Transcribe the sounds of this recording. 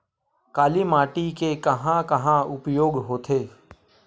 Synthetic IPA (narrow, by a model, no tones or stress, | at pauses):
kaːlimaːʈikekɐɦãkɐɦãʊpjoːɡɦoːt̪ʰeː